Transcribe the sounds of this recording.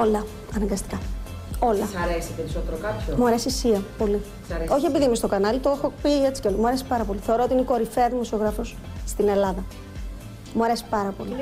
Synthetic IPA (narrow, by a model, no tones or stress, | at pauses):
olɐ | ɐnɐŋɡɐst̪i̥kɐ | o̞lɐɾesipeɾisot̪eɾokɐpçomuɐɾe̞sisiɐpo̞li | ɐo̞çie̞piðimist̪o̞kɐnɐlit̪oexopie̞t͡si̥ceolɐmuɐɾe̞si̥pɐɾɐpo̞liθe̞o̞ɾo̞o̞t̪iineiko̞ɾifeɐðimo̞sio̞ɣɾɐfos | st̪ine̞lɐðɐ | muɐɾe̞si̥pɐɾɐpo̞̰li